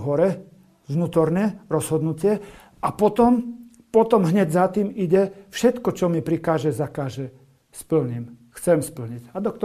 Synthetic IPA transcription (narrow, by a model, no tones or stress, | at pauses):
ɦɔɾɛ | ʋnuːt̪ɔɾnɛɾɔz̥ɦɔd̪nucɪɛ | apɔt̪ɔm | pɔt̪ɔmɦɲɛɟzat̪iːmiɟɛfʃɛt̪kɔt͡ʃɔmipɾikaːʒɛzakaːʒɛ | spl̩ɲimxt͡sɛmspl̩ɲiɟad̪ɔkt̪ɔ